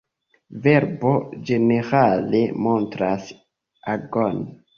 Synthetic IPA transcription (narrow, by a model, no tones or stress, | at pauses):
ve̞ɾbo̞d͡ʒe̞ne̞ɾale̞mo̞ntɾas | aɡon